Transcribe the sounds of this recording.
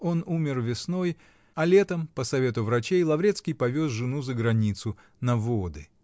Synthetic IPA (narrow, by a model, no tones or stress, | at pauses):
o̞numʲɪrvʲɪsno̞j | ɐlʲe̞t̪əmpəsɐvʲe̞t̪ʊvɾɐt͡ɕejlˠɐvɾʲet̪skʲɪjpɐvʲosʐɨnuzəɡɾɐnʲit̪sʊ | nɐvod̪ɨ